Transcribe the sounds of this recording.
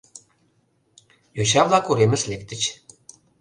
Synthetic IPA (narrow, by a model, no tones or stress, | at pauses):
joɕ̬ɑβlˠɑkuɾemɘ̆slʲek̚t̪ɘ̆t͡ɕ